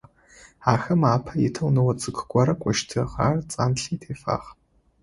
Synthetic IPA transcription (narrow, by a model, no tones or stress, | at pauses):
aːxɐmaːpʰɐjɪtʰɐwnɐwɐt͡sʼɨkʰɡʷɔɾɐkʷʼɔʃtʰɐʁa̰ːrt͡sʼaːnɬiːtʰeːfa̰ːχ